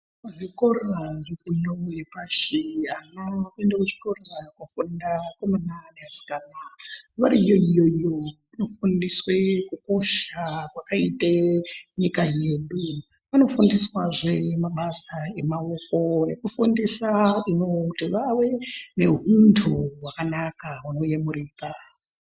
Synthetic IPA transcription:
aʐikoraʐifunojepaʃianakuendakut͡ʃi̥korakwafundakomananeasi̥kanaʋaɾijojojo | ino̞fundiswekuko̞ʃakwakaiteɲikaje̞ːɗu | ʋano̞fundiswaʐemaɓasae̞maoko̞ne̞kufundisauno̞tiʋawe̞ne̞ɦuntʰuwakanakawuno̞jemuriːka

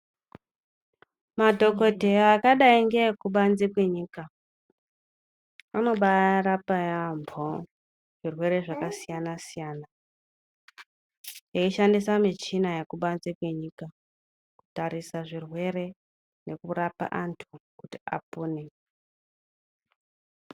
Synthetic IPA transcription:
madʱo̞ko̞dʱeakaɗaiŋɡekuɓanzikwe̞ɲiːka | ano̞ɓarapajambʰʱo | ʐ̥irwe̞ɾe̞ʐakasijanasijaːna | jeiʃandisamit͡ʃinajekuɓanzikwe̞ɲiːka | ku̥taɾisaʐirwe̞ɾe̞ | ne̞kuɾapa̰ʔantʰukutia̰puːne

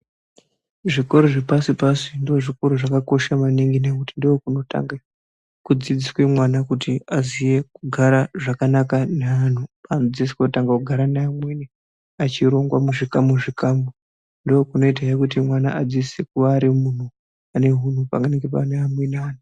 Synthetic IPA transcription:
ʐiko̞ɾoʐepasipasindio̞ʐiko̞ɾoʐakako̞ʃamaniŋɡinekutindiokuno̞ta̰ŋɡe | kud͡zid͡ziswemwanakutiazije̞kuɡʱaɾaʐakanakanean̤upaːnod͡zisi̥koutaŋɡakuɡʱaɾanaːmweni | at͡ʃiɾo̞ŋɡwamuʐikamuʐikambo | ndookuno̞it̬aekutimwana̰ʔad͡zisek̚uʋaːɾimun̤u | ane̞ɦun̤upa̰ŋɡaneŋɡepaneamwenaaːn̤u

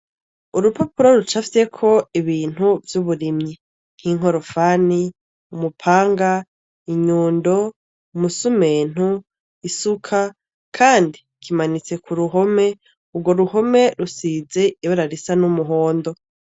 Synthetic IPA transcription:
uɾupapuɾoɾut͡ʃafise̞kʰo̞iβiːn̥huvjuβuɾimɲi | n̥hiŋ̥o̞ɾo̞faːni | umupʰaːŋɡa | iɲuːndo̞ | musumeːn̥hu | isukʰa | kʰaːndi | kʰimanit͡se̞kʰuɾuɦo̞me̞ | uɡo̞ɾuho̞me̞ɾusize̞iβoɾaɾisanumuɦo̞ːndo̞

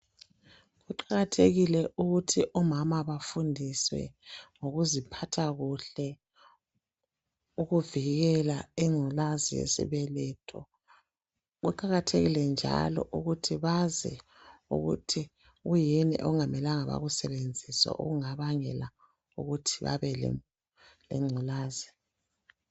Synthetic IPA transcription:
ɣuǃaɣatʰeɣilɛʔuɣutʰiʔɔmamaβafundʱiswɛ̰ŋoɣuzipʰatʰaɣuɬɛ | uɣuviɣɛlaiŋ͡ǀʱulazijḛsḭβɛlɛtʰɔ | ɣuǃaɣatʰeɣilɛnd͡ʒʱa̰lɔ̰ʔuɣutʰiβazɛ | ṵɣṵtʰi | ɣujinḭʔɔ̰ŋamɛlaŋaβa̰ɣusɛβend͡zʱiswa̰ʔo̰ɣuŋaβaŋɛla | uɣutʰiβa̰βɛlɛ̰ | lɛ̰ŋ͡ǀʱulaːzi

